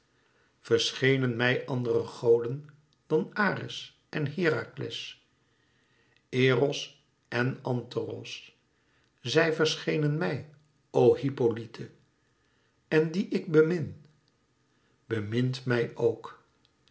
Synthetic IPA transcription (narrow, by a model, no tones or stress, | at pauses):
v̥əɹsχejnənmɛjʔɑndərəχowdən | d̥ɑnaːrɪ̰s | ʔɛnɦɪːraːklɛ̰s | eːrɔs | ʔɛnɑntərɔ̰s | zɛjvəɹsχejnənmɛj | owhipolitʰə | ɛndiʔɪɡ̚bəmɪn | b̥əmɪntmɛjʔowk